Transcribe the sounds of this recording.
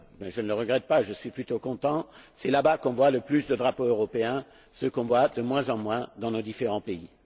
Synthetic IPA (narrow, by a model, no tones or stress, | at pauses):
mɛʒənələʁəɡʁɛt̪̚paʒəsɥiplyt̪okɔ̃t̪ɑ̃sɛlabakɔ̃vwaləplysd̪əd̪ʁapoøʁɔpeɛ̃ | səkɔ̃vwad̪əmwɛ̃zɑ̃mwɛ̃d̪ɑ̃nod̪ifeʁɑ̃pei